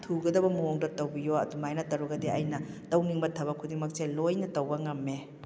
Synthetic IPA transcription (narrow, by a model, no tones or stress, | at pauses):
tʰuɡɐdɐbɐmuoŋdɐtɐwbijoɐ̰dumajnɐtɐɾuɡɐdiɐ̰jnɐtɐwniŋbɐtʰːɐbɐkʰudiŋmɐk̚selojnɐtɐwbɐŋɐmːe